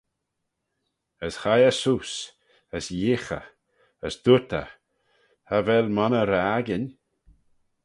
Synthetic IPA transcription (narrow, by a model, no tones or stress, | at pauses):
əshajəsus | əsjɪxə̰ | əsd̪̥ut̪ə̰ | havɛlmanəɾaɡɪnʲ